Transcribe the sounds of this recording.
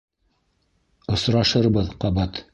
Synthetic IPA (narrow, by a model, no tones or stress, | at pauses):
ŏsɾɑʃɤɾbɤðqɑβɑt̪